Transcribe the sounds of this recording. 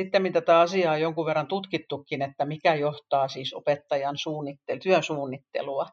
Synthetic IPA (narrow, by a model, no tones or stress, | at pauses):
it̪ːemint̪æt̪æɑsiɑːjoŋkuʋʋerːɑnt̪ut̪kit̪ːukːinet̪ːæmikæjoht̪ɑːsiːso̰pet̪ːɑjɑnsuːnːit̪ːelt̪yønsuːnːit̪ːḛluɑ